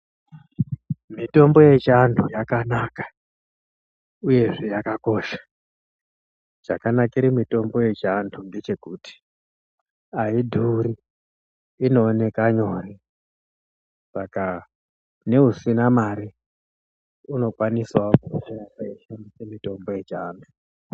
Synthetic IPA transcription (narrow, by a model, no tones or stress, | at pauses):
mito̞mbo̞je̞t͡ʃantʰujakanaːkḁ | uje̞ʐejakako̞ʃḁ | d͡ʒa̰kanakaiɾimito̞mbo̞je̞t͡ʃandʰunde̞t͡ʃe̞kuti̥ | aidʱuɾiː | no̞ːne̞kaɲo̞ːɾi | saka | ne̞ɦusinamaɾi | uno̞kwaniswakuʃajakajiʃandisemito̞mbo̞je̞t͡ʃaːndʱu